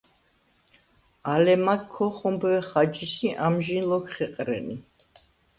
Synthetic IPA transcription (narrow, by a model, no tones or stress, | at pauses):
alɛmakʰːɔχɔmbɛχad͡ʒisiʔamʒinlɔkʰχɛqʼɾɛ̰ni